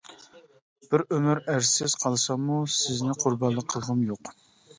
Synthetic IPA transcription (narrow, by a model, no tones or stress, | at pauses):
b̥ɪɾømyɾæɾɪz̥qʰɑlˠsɑmːusɪznɪqʰʊɾbɑnlˠəqʰːəlˠʁəmjoq